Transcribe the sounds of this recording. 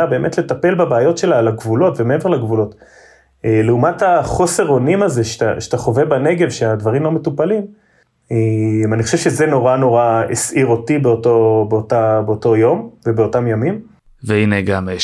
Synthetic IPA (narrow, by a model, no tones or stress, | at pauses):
abe̞ːmetle̞tape̞lbabeːjo̞tʃe̞laːlaɡvulo̞tvemeevelaɡvulo̞t | eleumathaχo̞se̞ʁo̞nimaze̞ʃta̰ʃet̪aχo̞vebaneɡevʃead̪vaʁimlo̞metupalim | emanixχoʃevʃezeno̞ʁano̞ʁaḛsʔiʁo̞tibeotobeotabeoto̞jo̞mvebeo̞tamjamim | veineɡam